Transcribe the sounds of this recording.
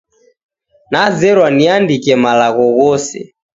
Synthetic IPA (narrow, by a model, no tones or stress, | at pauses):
nazɛɾwaniandikɛmalaɣɔɣɔsɛ̰